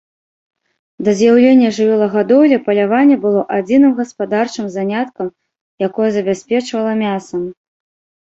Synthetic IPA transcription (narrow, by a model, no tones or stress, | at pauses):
d̪ɐzʲjawlʲenʲːɐʐɨvʲɔlˠɐɣad̪ɔwlʲɛpɐlʲavanʲːɛbɨlˠɔʔad͡zʲinɨmɣɐspad̪art͡ʂɨmzanʲat̪kɐm | jakɔjɐzɐbʲasʲpʲɛt͡ʂvɐlˠɐmʲasɐm